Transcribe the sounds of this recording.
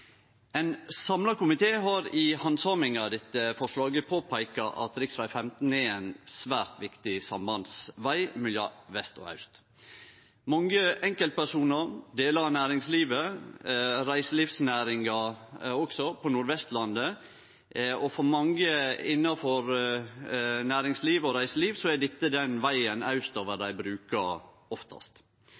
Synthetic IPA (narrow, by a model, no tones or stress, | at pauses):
ɛɪnsɑmlɑkʊmɪt̪ʰeːɦɑɾɪhɑnsɑmɪŋɑd̪ɛt̪ːəfɔʂlɑːɡəpʰoːpʰæɪkɑʔɑ̰t̪ɾɪksʋæɪfɛmt̪n̩ɛɛnsʋæːɾt̪ʋɪkt̪ɪsɑmbɑnsʋæɪmɛljɑ̰ʋɛst̪ɔ̰hɑ̰ʉst̪ | mɑŋəɛŋkəlt̪̚pæʂuːnəɾd̪eːləɾɑnæːɾɪŋsliːʋə | ɾæɪsəliːfsnæːɾɪŋɑɔksɔpʰɔnuːɾʋɛst̪lɑnd̪ə | ɔfɔɾmɑŋɡəɪnːɑfɔɾ | næːɾɪŋsliːʋɔɾæɪsəliːʋsɔɛd̪ɪt̪ːəd̪ɛnʋæɪənɑ̰ʉst̪oːʋəd̪æɪbɾʉːkɑ | ɔft̪ʰɑ̰st̪